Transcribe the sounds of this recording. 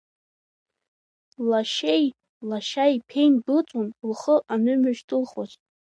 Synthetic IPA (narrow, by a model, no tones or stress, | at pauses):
laʃej | laʃajpʰe̞jnɡɨt͡sʷʼunulχəʔanɨmʏʃtʰɨlχat͡ʃʼ